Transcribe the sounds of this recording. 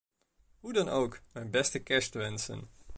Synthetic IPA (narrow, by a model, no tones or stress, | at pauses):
ɦudɑnowkmɛjnbɛstəkɛstəʋɛnsə̰n